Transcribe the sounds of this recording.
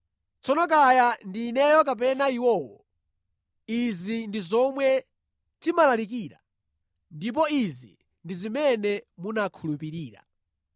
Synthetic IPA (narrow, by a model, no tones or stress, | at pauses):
t͡sɔnɔk̬ajandiːnɛjɔk̬ap̬ɛnaiwɔːwɔ | izindizɔmwɛ | timalalik̬iːɾa̰ | ndip̬ɔizi | ndizimɛnɛmunakʰulupiɾiːɾa̰